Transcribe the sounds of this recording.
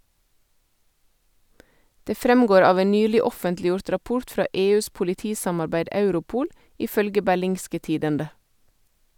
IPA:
ˈdeː ˈfɾɛmˌɡoːɾ ˈɑːʋ ˈeːn ˈnyːlɪ ˈɔfəntlɪˌjʊɾt ɾɑˈpʊʁt ˈfɾɑː ˈʔeːˌʉːs pʊlɪˈtiːsɑmɑɾˌbæɪd ˈɑʉɾʊˌpuːl ˈiː ˈfœlɡə bæˈlɪŋskə ˈtiːdəndə

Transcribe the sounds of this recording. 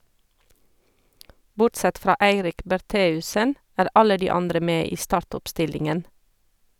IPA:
ˈbʊʈˌsɛt ˈfɾɑː ˈæɪɾɪk bæɾˈteːʉsən ˈæːɾ ˈɑlə ˈdiː ˈɑndɾə ˈmeː ˈiː ˈstɑːɹtɔpˌstɪlɪŋən

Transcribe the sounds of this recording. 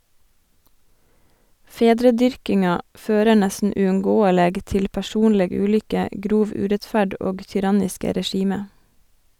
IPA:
ˈfeːdɾəˌdʏɹkɪŋɑ ˈføːɾə ˈɳɛsn̩ ʉːʉŋˈɡoːəleːɡ ˈtɪl pæˈʃuːnlɛɡ ˈʉːlʏkə ˈɡɾuːʋ ˈʉːɾɛtˌfæɖ ˈoːɡ çʏˈɾɑnɪskə ɾɛˈʃiːmə

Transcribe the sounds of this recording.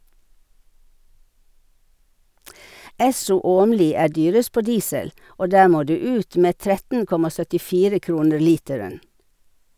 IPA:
ˈɛsʊ ˈoːmliː ˈæː ˈdyːɾəs ˈpoː ˈdiːsəl ˈoː ˈdæː ˈmoː ˈdʉː ˈʉːt ˈmeː ˈtɾɛtn̩ ˈkɔmɑ sœtɪˈfiːɾə ˈkɾuːnəɾ ˈliːtɛɹən

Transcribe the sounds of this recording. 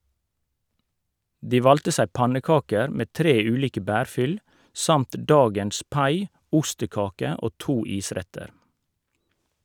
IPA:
ˈdiː ˈʋɑltə ˈsæɪ ˈpɑnəˌkɑːkəɾ ˈmeː ˈtɾeː ˈʉːliːkə ˈbæːɾˌfʏl ˈsɑmt ˈdɑːɡəns ˈpɑɪ ˈʊstəˌkɑːkə ˈʔoː ˈtuː ˈiːˌsɾɛtəɾ

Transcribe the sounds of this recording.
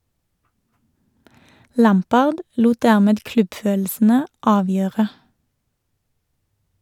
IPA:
ˈlæmˌpɑːʁd ˈluːt ˈdæʁˌmeːd ˈklʉbˌføːll̩sn̩ə ˈɑːˌʋjøːʁə

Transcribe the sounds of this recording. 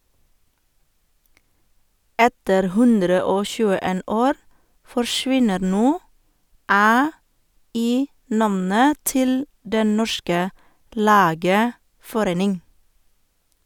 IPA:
ˈɛtəɾ ˈhʉndɾə ˈoː ˈçʉːəˌeːn ˈoːɾ fɔɹˈʃʋɪnəɾ ˈnoː ˈæː ˈiː ˈnɑmnə ˈtɪl ˈdɛn ˈnɔʃkə ˈlæːɡəfɔˌɾeːnɪŋ

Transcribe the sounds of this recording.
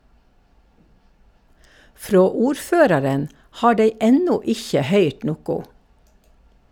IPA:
ˈfɾoː ˈuːɾˌføːɾɑɾən ˈhɑː ˈɖeɪ ˈɛnʊ ˈɪçə ˈhœʏʈ ˈnʊkʊ

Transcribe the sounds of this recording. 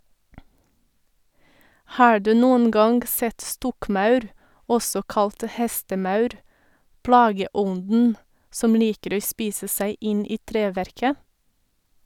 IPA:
ˈhɑː ˈɖʉː ˈnuːən ˈɡɑŋɡ ˈsɛt ˈstɔkˌmɑʉɾ ˈɔsɔ ˈkɑlt ˈhɛstəˌmɑʉɾ ˈplɑːɡəˌɔndn̩ ˈsɔm ˈliːkəɾ ˈoː ˈspiːsə ˈsæɪ ˈɪn ˈiː ˈtɾeːˌʋæɾkə

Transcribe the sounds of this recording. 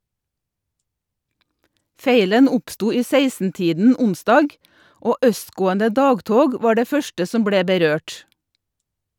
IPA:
ˈfeɪlən ˈʊpˌstuː ˈiː ˈseɪsnˌtiːdn̩ ˈʊnˌsdɑːɡ ˈoː ˈʔœstˌɡoːəndə ˈdɑːɡˌtoːɡ ˈʋɑː ˈɖeː ˈfœʃtə ˈsɔm ˈbɽeː bəˈɾøːʈ

